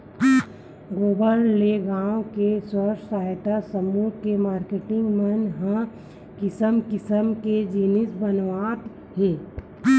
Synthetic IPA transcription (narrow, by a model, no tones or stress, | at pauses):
ɡoːbəlːeɡãːõkeswəʃsaːɪt̪asəmuːɾkemaːɾkeːʈɪ̃ŋɡmənɦə̃ | kɪsəmkɪsəmked͡ʒiːnɪsbənʋaːt̪ | ɦeː